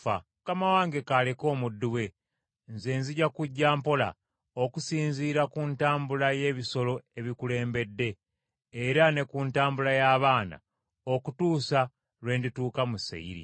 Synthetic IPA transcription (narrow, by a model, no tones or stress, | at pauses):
a̰ | kamawaːŋɡe̞kale̞ko̞ːmudːuwe̞ | nzeːnziɟakuɟːaːmpo̞la̰ | okusiːnziːɾakuntaːmbulaje̞βiso̞lo̞e̞βikule̞ːmbe̞dːe̞ː | ɾane̞kuntaːmbulajaːβaːna̰ | o̞kutuːsa | lwe̞ːndituːkamusḛḭɾḭ